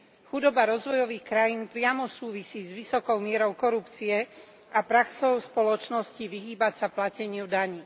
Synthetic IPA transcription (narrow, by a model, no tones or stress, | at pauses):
xud̪ɔbaɾɔzʋɔjɔʋiːxkɾajiːnpɾɪamɔsuːʋisiːzʋisɔkɔʊmɪɛɾɔʊkɔɾupt͡siɛ | apɾaksɔʊspɔlɔt͡ʃnɔsciʋiɦiːbacsaplacɛɲɪud̪aɲiː